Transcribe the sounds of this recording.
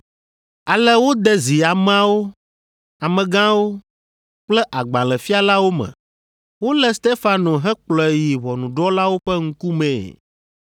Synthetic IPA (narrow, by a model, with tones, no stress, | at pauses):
a˨lɛ˦wo˦d̪ɛ˦zi˨a˨m˦a˦wo˦ | a˨mɛ̃˨ɡã˦wo˦ | k͡plɛ˦ʔa˨ɡ͡bã˨lɛ˨fi˦a˦la˦wo˦mɛ̰̃˨ | wo˦lɛ˦st̪e˦fa˨no˨ɦɛ̃˦k͡plɔ˨e˨ji˨βɔ˨nũ˨ɖɔ˦la˦wo˦ɸɛ˦ŋ̩˦ku˦mḛ̃ː˨